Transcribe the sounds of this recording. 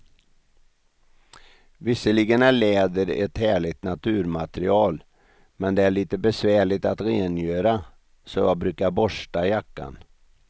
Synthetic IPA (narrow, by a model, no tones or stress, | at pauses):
vɪsːəliɡənæɭeːd̪əɾɛ̰t̪hæːɭɪɡt̪nat̪ʰʉ̟ːɾmat̪ɾɪ̰ɑːl | mɛnd̪ɛæɭiːt̪əbɛsvæːɭɪt̪at̪ɾeːnjøːɾa | sɔjɑbɾʉ̟ːkabɔʂʈajakːa̰n